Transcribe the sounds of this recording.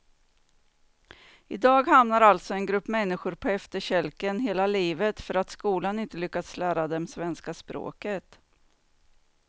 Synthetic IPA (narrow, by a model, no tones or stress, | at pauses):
ɪd̪ɑːɡhamnaɾalt̪sɔɛnɡɾɵpːmɛnːɪɧʊɾpʰɔɛft̪əɕɛlkənɦeːlaliːvət̪fœɾat̪skuːlanɪnt̪əlʏkːad̪slæːɾad̪ɛmsvɛnskaspɾo̰ːkət̪